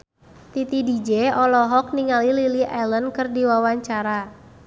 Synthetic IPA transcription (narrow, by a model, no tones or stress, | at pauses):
t̪it̪idid͡ʒeɔlɔɦɔk̚niŋalililiʔɛlənkɨrdiwawaɲt͡ʃaɾa